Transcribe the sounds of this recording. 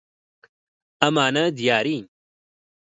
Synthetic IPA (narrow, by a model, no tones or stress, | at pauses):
ɐmaːnɐd̪ijaːɾiɲ